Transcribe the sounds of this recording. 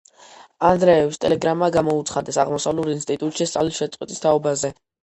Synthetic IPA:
and̪ɾɛɛpst̪ʼɛlɛɡɾamːaɡamɔut̪sʰχad̪ɛsaʁmɔsavluɾinst̪ʼit̪ʼut̪ʼʃist̪sʼa̰vlisʃɛt̪sʼqʼwit̪ʼist̪ʰaɔbazɛ

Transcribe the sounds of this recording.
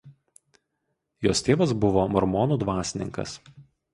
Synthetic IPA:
joːst̪ʲeːʋɐs̬bʊʋoːmɔɾmɔːnuːd̪ʋɑːsʲɪnʲɪ̰ŋkɐ̰s

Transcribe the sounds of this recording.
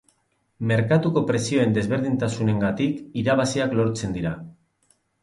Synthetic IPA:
me̞ɾkat̪uko̞pɾe̞sio̞e̞nd̪e̞zβe̞ɾðint̪asune̞ŋɡat̪ikiɾaβasiaklo̞ɾt͡se̞nd̪iɾa

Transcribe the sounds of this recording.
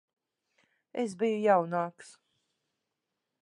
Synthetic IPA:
esbijujawnaːks

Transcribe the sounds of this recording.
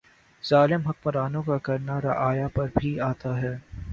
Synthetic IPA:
z̥aːlɪmɦɐk̚mɐɾaːnõkakɐɾnaɾɐʔaːjapɐɾbʱiaːt̪aɦɛː

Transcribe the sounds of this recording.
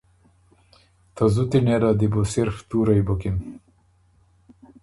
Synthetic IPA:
t̪ɐzut̪ineɾad̪ibosiɾft̪uːɾɐjbokin

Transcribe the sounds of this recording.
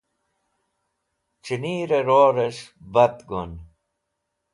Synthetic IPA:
t͡ɕiniːɾeɾoːɾeɕbɐt̪ɡon

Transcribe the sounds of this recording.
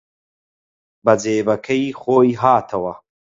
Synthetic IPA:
bɐd͡zeːbɐkʰɐiχoːjɦaːt̪ʰɐwɐ

